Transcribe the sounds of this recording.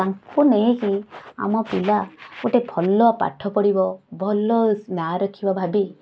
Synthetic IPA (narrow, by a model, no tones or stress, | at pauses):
aŋkʰuneekia̰mɔpilauʈepʰɔlːɔapa̰ʈʰɔpɔɽibɔbʱɔlːɔnaɾɔkʰibɔbʱabi